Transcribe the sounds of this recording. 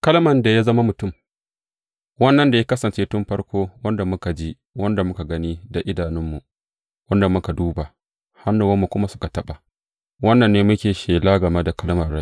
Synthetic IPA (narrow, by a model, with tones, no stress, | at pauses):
kɐ˦lmɐ˨nda˨ja˦zɐ˦ma˦mʊ˨tʊ˦˨m | wɐ˦nːɐ˨nda˨ja˦kɐ˦sɐ˨nt͡ʃeː˦tʊ˦mɸɐ˦ɽkʷoː˦wɐ˦nda˨mʊ˦ka˨d͡ʒiː˦ | wɐ˦nda˨mʊ˦ka˨ɡɐ˦ni˦da˨ʔɪ˦daː˨nɪ˦mːu˨ | wɐ˦nda˨mʊ˦ka˨duː˦ba˨ | ha˦nːʊ˨wɐ˦mːu˨kʷʊ˦ma˦sʊ̥˦ka˨tɐ˦ɓa˨ | wɐ˦nːɐ˨nːeː˦mʊ˦kʲeː˨ʃeː˨laː˦ɡɐ˨mɐ˦da˨kɐ˦lmɐ˨ɽa˦